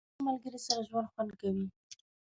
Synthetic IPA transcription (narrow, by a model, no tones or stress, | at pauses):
malɡəɾisaɾaʒwand̪xwand̪̚kawi